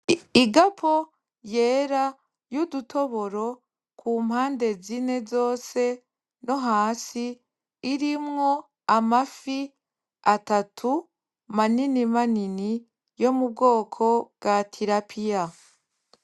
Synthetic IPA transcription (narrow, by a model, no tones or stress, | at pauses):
iɡapʰo̞ | je̞ːɾa | judutʰo̞βo̞ɾo̞ | kʰum̥haːnde̞zine̞zo̞ːse̞ | no̞ɦaːsiː | ɾimŋo̞ | amafi | atatʰu | maninimanini | jo̞mub̚ɡo̞ːkʰo̞bɡatʰiɾapʰija